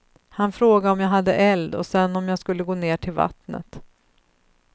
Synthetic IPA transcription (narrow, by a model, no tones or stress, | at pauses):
hanfɾoːɡaɔmjaːɦad̪ːə̰ʔɛld̪ɔ̰sɛnːɔmjaːskɵlːəɡoːneːʈʰɪlva̰t̪nə̰t̪